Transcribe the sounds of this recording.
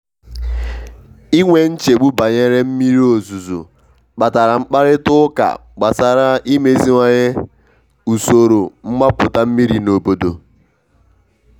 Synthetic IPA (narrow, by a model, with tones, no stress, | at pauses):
i˦ŋʷe˦n̩˦t͡ʃe˨ɡ͡bu˦ba˨ɲe˦ɾe˦m̩˦mi˦ɾo˨zu˨zṵ˨ | k͡pa˨ta˨ɾa˨ŋ͡m̩˦k͡pa˦ɾɪ˦tʊ˦ka̰˨ɡ͡ba˨sa˨ɾa˦i˦me˦zi˦ŋʷa˦ɲe˦ | u˨so˨ɾo˨m̩˦ma˦pʊ˨ta˦m̩˦mi˦ɾi˨no˨bo˨do˨